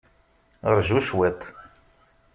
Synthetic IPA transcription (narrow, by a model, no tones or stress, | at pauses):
əɾˤʒuʃwɛt̪ˤ